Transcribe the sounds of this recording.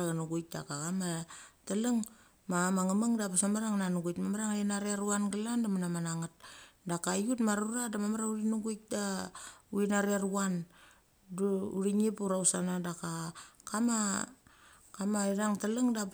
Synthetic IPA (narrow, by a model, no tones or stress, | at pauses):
aɣanuɡujk̚da̰kakamatalaŋ | mamaŋamaŋdapasamaɾaŋnanuɡujtmamaɾaŋainaɾeaɾuanɡalandamanamanaŋat̚dakajutmaɾuɾadamamaɾauɾinuɡujk̚dauinaɾiaɾuan | duuɾiŋipuɾausanadakakama | kamaiɾaŋtalaŋdap